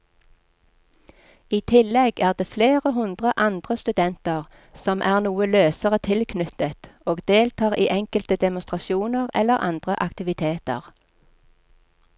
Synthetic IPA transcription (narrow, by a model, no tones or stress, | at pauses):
iːt̪ʰɪlɛɡæːʁd̪eːfleːʁəɦʉnd̪ʁəʔɑnd̪ʁəst̪ʉd̪ɛnt̪əʁ | sɔmʔæːʁnuːəløːsəʁət̪ʰɪlkʰnʏt̪ət̪oːɡd̪eːlt̪ʰɑːʁiːʔɛŋkəlt̪əd̪ɛmʊnst̪ʁɑʃuːnəʁɛ̰lːəʁʔɑ̰nd̪̥ʁəʔɑkt̪ɪʋɪt̪ʰeːt̪ə̰ʁ